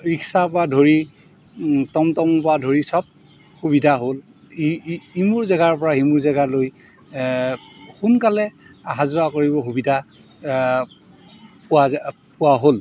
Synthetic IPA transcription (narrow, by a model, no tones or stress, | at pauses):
ɹiksapɔadʱoɹi | tɔmtɔmpɔadʱoɹisɔb̚ | xuβidʱaɦol | imuɹzaɡaɹpɔɹaɦimuɹzaɡaloj | xunkalɛaɦazbakoɹiβɔxubidʱa | pʊapʊwaɦol